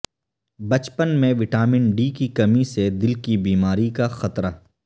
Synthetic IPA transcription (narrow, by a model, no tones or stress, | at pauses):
bɐt͡ʃpənmẽʋɪʈaːmɪɳɖiːkikɐmised̪ɪlkibiːmaːɾikaxɐt̪ɾaː